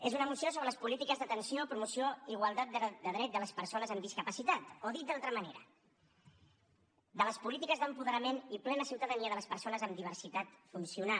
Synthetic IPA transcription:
ezunəmusiosoβɾələspulit̪ikəzðət̪ənsiopɾumusioiɣwalˠt̪at̪̚d̪əd̪əðɾɛt̪̚d̪ələspəɾsonəzəmd̪iskəpəsit̪at̪oðit̪̚d̪alˠt̪ɾəməneɾə̰ | d̪ələspulit̪ikəzðəmpuðəɾəmeniplɛnəsiwt̪əðəniəðələspəɾsonəzəmd̪iβ̞əɾsit̪at̪funsiuna

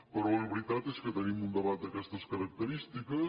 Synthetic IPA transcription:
pəɾɔəβɾit̪at̪ɛskət̪enimund̪eβat̪̚d̪ɐkɛst̪ɐskɐɾɐk̚t̪əɾist̪ikə

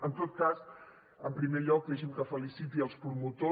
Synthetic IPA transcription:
ənt̪ot̪̚kas | əmpɾimeʎɔk̚lɛʒemkəfəlisit̪iəlˠspɾumut̪o

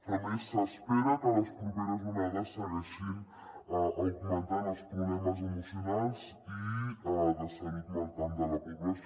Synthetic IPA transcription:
fənisəspeɾəkələspɾupeɾəzmumɛðəsːəɣɛʃin | əʔukumənt̪anəlˠspɾuβlɛməzəmusiunalˠz | i | ðəsəɣit̪nəlˠt̪and̪ələpiβə

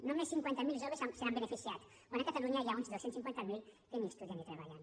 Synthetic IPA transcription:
nõmẽsĩŋkwẽnt̪ɐmilˠʒoβẽsãseɾãbɨnɨfisiaðu̥ | wɐ̃d̪ɐ̃kɐt̪ɐluɲɐjiaũt̪ðosẽnt̪sĩŋkwẽnt̪ɐmilˠk̪eɲĩʃt̪uðjɐ̃nit̪ɾɐβa̰ʎã̰

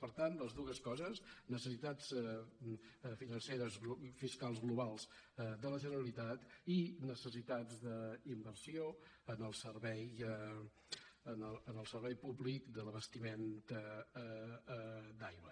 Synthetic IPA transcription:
pəɾt̪anləzðuɣəskɔzəznəsəsit̪at͡s | finənseɾəzfiskalˠzɣluβalˠz̥d̪ələʒənəɾəlit̪at̪inəsəs̬it̪ad͡zd̪əimbərsio | ənəlˠsərβɛj | ənəənəlˠsəɾβɛjpuβlikd̪ələβəst̪iment̪ə | d̪ajβə

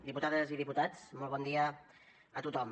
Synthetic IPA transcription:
d̪iput̪aðəziðiput̪at͡smɔlˠβɔnd̪iə | ət̪ut̪ɔm

